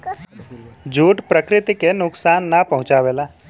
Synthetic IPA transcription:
d͡ʒʱuːʈpɾəkɾɪt̪ikenʊksaːnːapɐɦʊ̃t͡ʃaːʋeːlaː

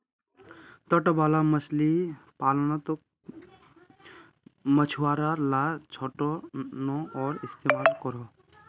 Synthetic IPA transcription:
t̪əʈbaːlaməslipaːlnat̪ | mət͡ʃʰuwaːɾaɾlaːt͡ʃʰɔʈonɔɔːɾɪst̪eːmaːlkɔɾoː

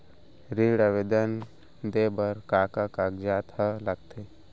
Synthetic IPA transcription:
ɾiːɽəʋed̪ən | d̪eːbəɾkaːkakaɡd͡ʒaːt̪hələɡ̚t̪ʰe

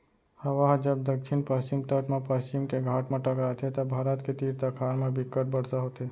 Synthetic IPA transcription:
həʋaɦd͡ʒəb̚d̪əkʃɪnpəst͡ʃɪmt̪əʈmãpəst͡ʃimkeɡʱaːʈmãʈəkɾat̪ʰet̪obʱaːɾət̪ket̪iːɾt̪əkʰaːɾmãbʱɪkːəʈ̚bəɽ̤saɦot̪ʰe

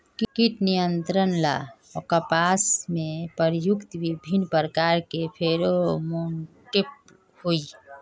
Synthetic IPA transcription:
kikiʈnijənt̪ɾənla̰ | ɔkəpaːsmẽpəɾjʊkt̪ʋibʱinpəɾkaɾkepʰeɾomunʈip̚ | hui

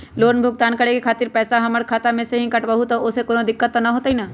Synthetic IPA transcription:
loːnbʱʊɡ̚t̪aːnkɐɽekekʰaːt̪ɪɾpɛːsaɦɐməɾkʰaːt̪amẽseɦĩkɐʈbəɦut̪oʊsekoːnod̪ɪkːət̪ːanaɦoːt̪aɦinaː

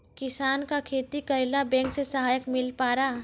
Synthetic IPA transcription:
kɪsaːnkakʰeːt̪ikəɾlabɛ̃ːŋksesəɦaːjəkmɪlpaːɾa

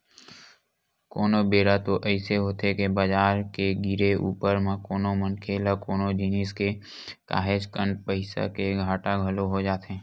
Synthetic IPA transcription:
koːnobeːɾat̪oʔɛɪseɦoːt̪ekebəd͡ʒaːɾkeɡɪɾeʔṵːpəɾmẽkoːnomənkʰeːlakoːnod͡ʒɪnɪske | ka̰ːɦed͡ʒkənpəɪsa̰keɡʱaːʈaɡʱɐloɦod͡ʒaːt̪ẽː

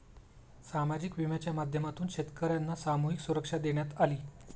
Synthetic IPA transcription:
samad͡ʑikʋimjat͡ɕjamad̪ʱjəmat̪uːnɕet̪kəɾjanːasamuɦiksuɾəkʂad̪eɳjat̪aliː

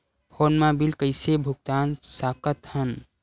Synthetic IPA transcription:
pʰoːnmãbilkəɪsebʱuɡ̚t̪aːnsaːkət̪hən

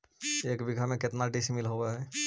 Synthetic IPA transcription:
eːkbiɡʱamẽkɪt̪naɖismɪlɦoweɦɛ

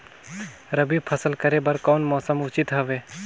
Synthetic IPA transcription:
ɾəbipʰəsəlkəɾebəɾkɔːnmɔːsəmʊt͡ʃit̪ɦəʋeː

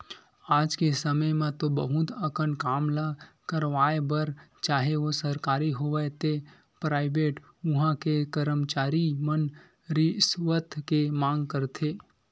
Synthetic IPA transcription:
aːd͡ʒkesəməjmãt̪obəɦʊt̪əkəɳkaːmlakəɾʋaːebəɾt͡ʃaːɦeosəɾkaːɾiɦoʋət̪e | pɾaːɪbeːʈ | ʊɦãkekəɾəmt͡ʃaːɾimən | ɾisʋət̪ʰkemãːŋɡ̚kəɾt̪ʰeː

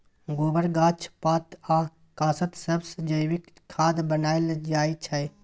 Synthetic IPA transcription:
ɡoːbəɾɡaːt͡ʃʰpaːt̪a | kaːsət̪səbsd͡ʒəjwik | kʰːaːd̪bənaːeld͡ʒaːit͡ʃʰɛj

